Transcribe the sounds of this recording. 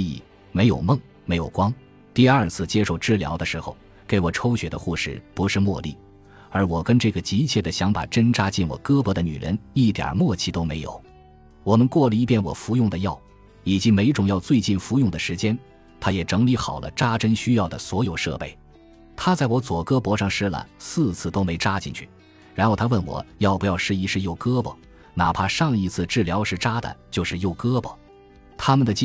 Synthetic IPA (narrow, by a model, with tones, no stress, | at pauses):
ḭ˨˩ | me˧˥ɪjo̰˨˩ʊmɤ˥˩ŋ | me˧˥ɪjo˨˩ʊkwɑ˥ŋ | t̪i˥˧ɐ˞˥˧t͡sʰɹ̩˥˩t͡ɕjɛ˥ʂo˥˧ʊʈ͡ʂɻ̩˥˩ljɑ˧˥ʊd̪ə˧ʂɻ̩˧˥xo˧ʊ | ke˧˥ɪwɔ˨˩ʈ͡ʂʰo˥ʊɕɥɛ˧˥d̪ə̰˧xu˥˧ʂɻ̩˥˩pu˧˥ʂɻ̩˥˧mwɔ˥˧lḭ˥˩ | ə˞˧˥wɔ˨˩kə˥nʈ͡ʂɤ˥˩ɡə˩t͡ɕi˧˥t͡ɕʰjɛ˥˩d̪ə˩ɕjɑ˧˥ŋpa̰˨˩ʈ͡ʂə˥nʈ͡ʂa˥t͡ɕi˥˩nwɔ̰˨˩kɤ˥pɤ˧˥d̪ə˧ny̰˨˩ɻə̰˧˥ni˥˩t̪jɑ̰˨˩mwɔ˥˧t͡ɕʰi˥˩t̪o˥ʊme˧˥ɪjo̰˨˩˦ʊ | wɔ˨˩mə˧nkwɔ˥˩lə˧i˥˧pjɛ˥˩nwɔ̰˨˩fu˧˥jʊ˥˩ŋd̪ə˩jɑ˥˩ʊ | i˨˩t͡ɕi˧˥me˧˥ɪʈ͡ʂʊ˨˩ŋjɑ˥˧ʊt͡swe˥˧ɪt͡ɕi˥˩nfu˧˥jʊ˥˩ŋd̪ə˩ʂɻ̩˧˥t͡ɕjɛ˥n | t̪ʰa˥jɛ˨˩ʈ͡ʂɤ˧˥ŋli˧˥xɑ˨˩ʊlʔə̰˦ʈ͡ʂa˥ʈ͡ʂə˥nɕy˥jɑ˥˩ʊd̪ə˩swɔ˧˥jo˨˩ʊʂɤ̰˥˧pe˥˩ɪ | t̪ʰa˥t͡sa˥˩ɪwɔ˧˥t͡swɔ˨˩kɤ˥pwɔ˧˥ʂɑ˥˩ŋʂɻ̩˥la̰˨˩˦nsɹ̩˥˧t͡sʰɹ̩˥˩t̪o˥ʊme˧˥ɪʈ͡ʂa˥t͡ɕi˥˧ŋt͡ɕʰy̥̰˥˩ | ɻa˧˥nxo˥˧t̪ʰwə˥˩nwɔ̰˨˩˦jɑ˥˩ʊpjɑ˥˧ʊʂɻ̩˥i˧˥ʂɻ̩˥˧jo˥˩ʊkɤ˥bə̰˨˩ | na˨˩pʰa˥ʂɑ˥˩ŋi˧˥t͡sʰɹ̩˥˧ʈ͡ʂɻ̩˥˩ljɑ˧˥ʊʂɻ̩˥˩ʈ͡ʂa˥d̪ə̰˨t͡ɕjo˥˧ʊʂɻ̩˥˧jo˥˩ʊkɤ˥bə̰˩ | t̪ʰa˥mə˨nd̪ə˩t͡ɕ